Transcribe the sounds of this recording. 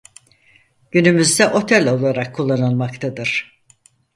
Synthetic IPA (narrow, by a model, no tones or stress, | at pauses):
ɟ̥ynymyzd̪ɛʔo̞t̪ʰɛlʲo̞lˠaɾakʰːulˠːanɯlˠmakt̪ʰad̪ɯɾ̥